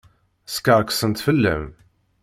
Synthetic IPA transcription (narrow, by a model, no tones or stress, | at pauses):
skəʁˤksənt̪fəlːə̰m